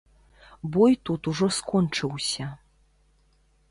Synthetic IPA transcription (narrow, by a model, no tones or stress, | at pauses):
bɔjt̪ut̪uʐɔskɔnt͡ʂɨwsʲɐ